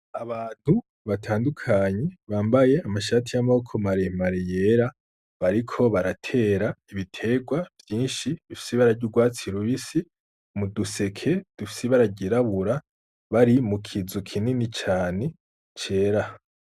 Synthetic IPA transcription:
aβaːn̥hu | βatʰaːndukʰaɲe̞βaːmbaje̞amaʃaːtijamaβokʰo̞maɾe̞maɾejeɾa | βaɾikʰo̞βaɾatʰe̞ːɾaiβitʰe̞ɡwavjiːnʃiβifi̥siβaɾaɾɟuɡwaːt͡siɾuβisi | muduse̞kʰe̞d̥ufi̥siβaɾaɟiɾaβuɾa | βaɾimukʰizukʰininit͡ʃaːne̞ | t͡ʃe̞ːɾa

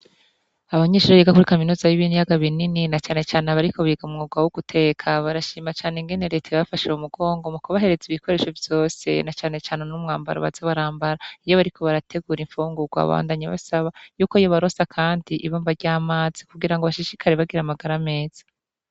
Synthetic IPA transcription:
aβaɲeːʃuɾoɾiɡakuɾikaminuːzajiβiːnijaɡaβinininat͡ʃaːne̞t͡ʃaːneβaɾiko̞βiɡamŋoɡwawuɡutʰe̞kʰaβaɾaʃiːmat͡ʃaːneŋɡe̞ne̞ɾe̞ːtʰajβafaʃeumuɡo̞ːŋɡo̞mukoβaɦe̞ɾe̞ziβiko̞ɾe̞ːʃo̞vjo̞ːse̞̰nat͡ʃaːne̞t͡ʃaːnenumŋaːmba̰ɾo̰βaz̥aβaɾaːmbaɾaijo̞βaɾikʰo̞βaɾatʰe̞ɡuɾiɱfuːŋɡuɡwa̰βa̰ːndaɲeβa̰saβajuːkoijo̞βaɾo̞sakʰaːndiʔiβoːmbaɾɟaːmaːz̥ikuɡiɾaŋɡoβaʃiʃikʰaɾeβaɡiɾamaɡaɾame̞ːz̥ḁ

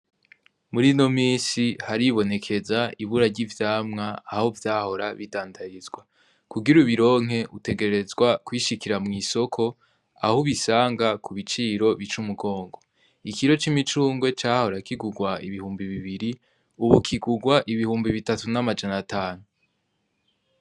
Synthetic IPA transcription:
muɾino̞miːsihaɾiβo̞ne̞kʰe̞zaiβuɾaɟivjaːmŋaːhovjaːho̞ɾaβidaːndaɾizɡwa | kuɡiɾuβiɾo̞ːŋ̥ɦe̞ʔute̞ɡe̞ɾɾe̞zɡwakwiːʃikiɾamŋiːso̞kʰo̞ | a̰huβisaːŋɡakuβit͡ʃiːɾo̞βit͡ʃumuɡo̞ːŋɡo̞ | ikiɾo̞t͡ʃimit͡ʃuːŋɡwe̞t͡ʃaːho̞ɾakiɡuɡwaḭβihuːmbiβiβiɾi | uβukʰiɡuɡwaʔiβihuːmbiβitatunamad͡ʒanatʰaːnu

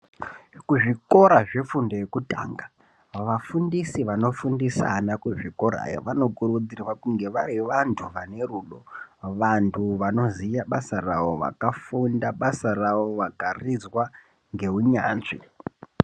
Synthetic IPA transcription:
kuʐiko̞ɾaʐe̞fundojekuta̰ːŋɡa | ʋafundisiʋano̞fundisa̰nakuʐiko̞ɾa̰jo̰ʋano̞kuɾud͡zirwakuŋɡe̞ʋaɾiʋantʰuʋane̞ruːɗoʋantʰuʋano̞zijaɓasaraʋo̞ʋa̰kafundaɓasaraʋo̞ʋakarid͡zwa | ŋɡe̞ɦuɲaːnʐḭ

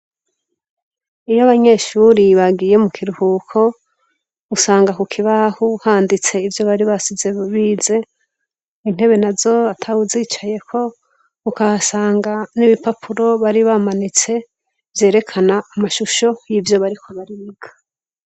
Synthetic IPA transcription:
ijaβaɲe̞ːʃuːɾiβaɡiːje̞mukʰiɾuhukʰo̞ | usaːŋɡakukʰiβahuhaːndit͡se̞ivjo̞βaɾiβasizeβiːze̞ | in̥he̞βe̞nazo̞atʰauziːt͡ʃaje̞kʰo̞ | ukaasaːŋɡaniβipapʰuɾo̞βaɾiβamanit͡se̞ | vje̞ːɾe̞kʰanaːmaʃuʃo̞jivjo̞βaɾikʰo̞βaɾiβiɡ̥ḁ

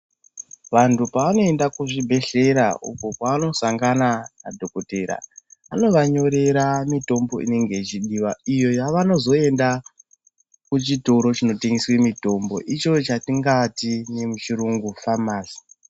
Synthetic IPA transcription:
ʋantupaʋano̞endakuʐibʱe̞ɬe̞ɾa̰ʔṵkopaano̞saŋɡanana̰dʱo̞kote̞ɾa̰ano̞ʋaɲo̞ɾe̞ɾamito̞mbo̞ʔḭne̞ŋɡe̞it͡ʃiɗiːʋaijo̞jaʋano̞zo̞e̞nda | kut͡ʃito̞ɾo̞t͡ʃino̞teŋɡeswemito̞mbo̞̰ʔit͡ʃo̞t͡ʃatiŋɡatine̞mut͡ʃiɾuŋɡufamaːsi̥

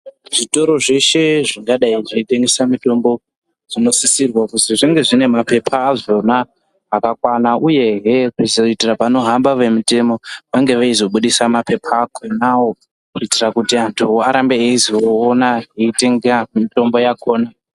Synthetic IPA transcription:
ʐ̥ito̞ɾo̞ʐe̞ʃe̞ʐiŋɡaɗaiʐiite̞ŋɡe̞samito̞mbo̞ | ʐino̞sisirwakuziʐiŋɡe̞ʐine̞mape̞pʰaːʐona | ɦakakwanaʔuje̞ɦerizoitirapano̞ɦambaʋe̞mute̞mo̞ʋaŋɡe̞ʋaizo̞ɓuɗisamape̞pʰaːkʰonawo̞ | kuitirakutiantʰuaɾambeeizioːnaɦeite̞ŋɡamito̞mbo̞jako̞ːna

